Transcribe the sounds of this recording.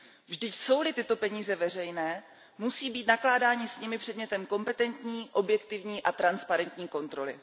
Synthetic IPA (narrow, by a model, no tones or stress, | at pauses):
vʒdɪcso̞wlɪt̪ɪt̪o̞pɛɲiːzɛvɛr̝ɛjnɛː | musiːbiːt̪naklaːdaːɲɪsɲɪmɪpr̥ɛdɲɛt̪ɛmko̞mpɛt̪ɛnt̪ɲiːʔo̞bjɛkt̪ɪvɲiːʔat̪ɾanspaɾɛnt̪ɲiːko̞nt̪ɾo̞lɪ̰